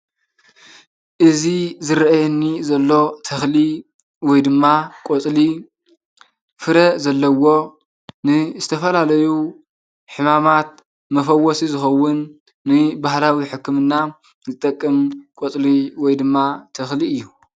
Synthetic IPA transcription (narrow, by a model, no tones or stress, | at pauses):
ʔɨzizɨɾʔajɨnːizɐlːo̞t̪ʰɐxli | wɔjd̪ɨmːakʼot͡sʼli | fɨɾɐzɐlːɐwo̞ | nɨzɨt̪ʰɐfɐlalɐju | ħɨmamat̪̚ | mɐfɐwːɔsizɨxɐwːʊnː | ɨbahlawiħɨkːɨmɨnːa | zɨt̪ʼɐkʼːɨmkʼot͡s̪ʼliwɔjd̪ɨmːat̪ʰɐxliɨjːu